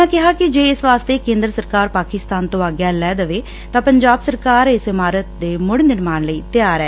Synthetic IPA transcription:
ãːkɪɦaːkɪd͡ʒeːɪsʋaːst̪eːkẽːnd̪ɾəsəɾkaːɾpaːkɪst̪aːnt̪õːaːɡjaːlɛːd̪əʋeː | t̪ãːpəɲd͡ʒaːbsəɾkaːɾɪsɪmaːɾət̪̚d̪eːmʊɽnɪɾmaːnləiːt̪ɪjaːɾɛː

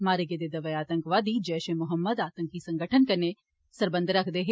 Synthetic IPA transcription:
maːɾeɡed̪ed̪ɐʋəaːt̪ə̃ŋkʋaːd̪id͡ʒɛːʃẽmʊɦəmːəd̪aːt̪ə̃ŋkːisɐ̃ŋɡəʈʰənkɐɾne | sɐɾbə̃nd̪ʱɾɐkʰd̪eɦe

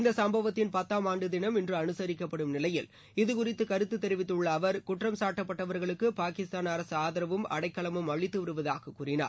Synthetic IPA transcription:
ɪnd̪ɐsɐmbɐʋɐt̪ːɪnpɐt̪ːaːmaːɳɖɯðɪnɐmɛndrɯɐnɯsɐɾɪkːɐpːɐɽɯmnɪlɐjɪl | ɪðɯkʊrɪt̪ːɯkɐɾɯt̪ːɯt̪ːɛɾɪʋɪt̪ːɯɭːɐːʋɐɾkʊʈrɐmsaːʈːɐpːɐʈːɐʋɐɾɣɐɭɯkːɯpaːkɪst̪aːnaɾɐsɯaːðɐɾɐʋɯmɐ̰ɽɐɪkːɐɭɐmɯmɐɭɪt̪ːɯʋɪɾɯʋɐðaːɣɐkːuːrɪna̰ː

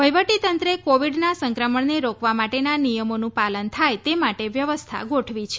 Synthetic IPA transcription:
ʋəjʋəʈit̪ənt̪ɾəekoʋiɖnasə̃ŋkɾəməɳneɾokʰʋamaʈenanijəmonũpalənt̪ʰajt̪emaʈeʋjəʋəst̪ʰa̰ɡoʈʰʋit͡ʃʰe̥

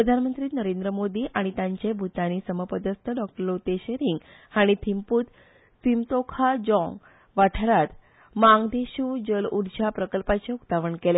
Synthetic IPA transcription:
ppɾəd̪ʱanmənt̪ɾiːt̪nəɾend̪ɾəmod̪iːʔaɽ̃it̪jãɲt͡ɕebʱut̪aniːsəməpəd̪əst̪ʰəɖɔk̚ʈəɾlot̪eɕeɾiŋɡ | haɽ̃it̪ʰimput̪ | simt̪okʰad͡ʑɔ̃ŋɡ | ʋaʈʰaɾat̪ | maŋɡd̪eɕuːd͡ʑəluɽt͡ɕapɾəkəlpat͡ɕeukt̪aʋəɳkele

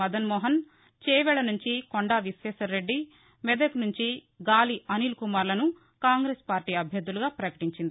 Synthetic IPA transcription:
ɐd̪ɐnmɔːɦɐn | t͡ʃɛːʋɛɭɐnuɲt͡ʃikoɳɖaːʋisʋɛːʃɐːe̞ɖːi | mɛd̪eknuɲt͡ʃi | ɡaːliʔɐniːlkumaːɾlɐnu | kaːŋɡɾeːspaːɾʈiːɐbʱjɐɾd̪ːuluɡaːpɾɐkɐ̥ʈiɲt͡ʃind̪i

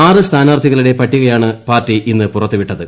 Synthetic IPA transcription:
aːrɨst̪ʰaːnɐʋɐrt̪ʰːiɣɐɭuɽe̞pɐʈːiɣɐjaːɳɨpaːrtːiʔinːɨpurɐt̪ːuʋiʈːɐðɨ

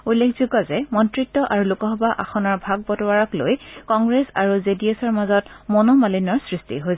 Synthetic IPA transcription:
ulːekʰzuɡɔzɛmɔntɹitːɔʔaɹulukɔɦɔbaʔaxɔnɔɹbʱaɡ̚bɔtɔwaɹɔklo̰jkɔŋɡɹesaɹuzediosɔɹmazɔtmonomalinɔɹsɹistḭɦojs

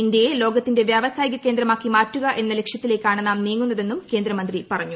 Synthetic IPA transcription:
indjelo̞ːɡɐt̪ːinde̞ʋjaːʋɐsaːjiɣɐkeːnd̪ɾɐmaːkːimaːtːuɣɐʔe̞nːɐlekʂjɐt̪ːile̞ːkːaːɳɨnaːmniːŋːunːɐðe̞nːumke̞ːnd̪ɾɐmɐnd̪ripɐrɐɲːu

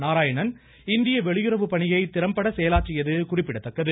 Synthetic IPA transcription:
naːɾaːjɐɳɐn | ɪnd̪ɪjɐʋɛɭɪjɯɾɐʋɯpɐɳɪjɐɪt̪ɪɾɐmpɐɽɐsɛjɐlaːʈrɪjɐðɯkʊrɪpːɪɽɐt̪ːɐkːɐðɯ

